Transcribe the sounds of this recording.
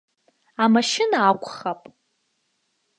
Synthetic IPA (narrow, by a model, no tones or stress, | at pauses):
amaʃɪnaːkʷʰʼχapʼ